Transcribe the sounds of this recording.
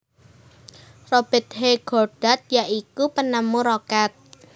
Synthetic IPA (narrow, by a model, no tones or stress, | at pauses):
rob̥ɛ̤t̪̚heɡ̥ɔrɖ̥at̪̚jaʔikupənamuɾokat̪̚